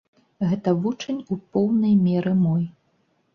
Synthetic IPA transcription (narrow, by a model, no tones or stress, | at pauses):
ɣɛt̪ɐvut͡ʂɐnʲupɔwnɐjmʲɛɾɨmɔj